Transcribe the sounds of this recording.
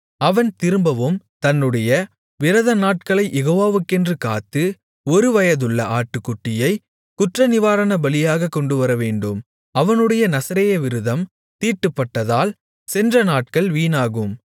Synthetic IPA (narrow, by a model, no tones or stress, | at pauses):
ɐʋɐnt̪ɪɾɯmbɐʋɯm | t̪ɐnːɯɽɐjɐ | ʋɪɾɐðɐnaːʈ̚kɐɭɐɪjɛɣoːʋaːʋɯkːɛndrɯka̰ːt̪ːɯ | ɔɾɯʋɐjɐðɯɭːɐʔaːʈːɯkːʊʈːɪjɐɪ | kʊʈrɐnɪʋaːɾɐnɐbɐlɪjaːɣɐkːɔɳɖɯʋɐɾɐʋeːɳɖɯm | ɐʋɐnɯɽɐjɐnɐsɐɾejɐʋɪɾɯðɐm | t̪iːʈːɯpːɐʈːɐðaːl | sɛndrɐnaːʈ̚kɐɭʋiːnaːɣɯm